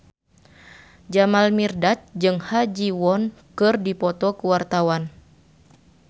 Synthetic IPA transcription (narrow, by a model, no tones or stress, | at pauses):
d͡ʒamalmirdat͡ʃ̚d͡ʒɨŋhad͡ʒiwɔnkɨrdipɔt̪ɔkəwart̪awan